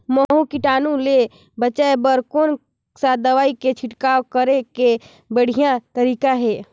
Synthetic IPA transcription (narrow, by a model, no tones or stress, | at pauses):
məɦũkiʈaːnũle | bət͡ʃaebəɾkoːn | sad̪ɐʋaːiket͡ʃʰɪʈkaːokəɾeke | bəɽ̤ijãt̪əɾiːkaɦɛː